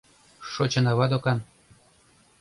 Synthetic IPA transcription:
ʃot͡ɕɤ̆nɑβɑd̪okɑn

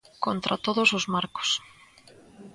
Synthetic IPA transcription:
kont̪ɾʔat̪oðosʊzmaɾko̥s

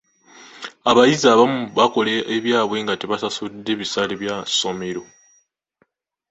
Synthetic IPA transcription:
aβajizaːβamuβako̞leːβjaːβwe̞ŋɡateβasasud̪ːe̞βisaleβjaso̞me̞ɾo̞

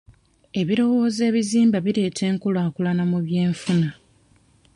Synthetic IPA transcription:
e̞βiɾo̞wo̞ːze̞ːβiziːmbaβiɾe̞ːtʰe̞ːŋkulaːkulanamuβje̞ːɱfuna

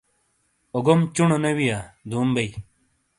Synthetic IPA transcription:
oɡomt͡ɕuɳonɐwijad̪uːmbɐj

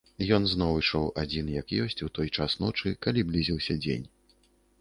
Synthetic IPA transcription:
jɔnznɔwɨʂɔwad͡zʲinjɐkjɔsʲt͡sʲut̪ɔjt͡ʂasnɔt͡ʂɨkalʲiblʲizʲiwsʲɐd͡zʲḛnʲ

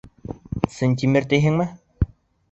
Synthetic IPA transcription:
sɘnʲt̪ʲimɘɾt̪eɦɘŋmɘ

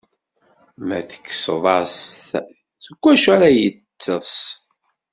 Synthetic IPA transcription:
mæθə̥kːsðˤɑsθ | θəɡʷːæʃæɾæjət͡sːəˤs

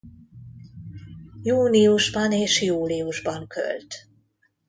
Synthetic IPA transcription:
juːniuʒbɒneːʃjuːliuʒbɒŋkʰø̰lt̪

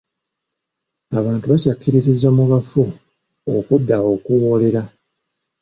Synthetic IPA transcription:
aβaːntuβacakːiɾiɾizːamuɣafu | okudːao̞kuwo̞ːle̞ɾa

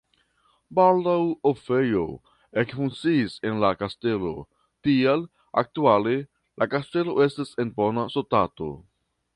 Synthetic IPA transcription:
baldawofejo̞̰ | e̞kfuŋkt͡siːse̞nlakaste̞lo̞̰ | tial | a̰k̚tuale̞ | lakaste̞lo̞ʔe̞stase̞nponasotato̞̰

